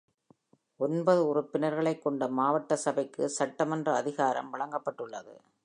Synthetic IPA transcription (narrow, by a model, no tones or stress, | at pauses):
ɔnbɐðɯʊrʊpːɪnɐɾɣɐɭɐɪkːɔɳɖɐmaːʋɐʈːɐsɐbɐɪkːɯsɐʈːɐmɐndrɐːðɪɣaːɾɐ̰mʋɐɭɐŋɡɐpːɐʈːɯɭːɐðɯ̰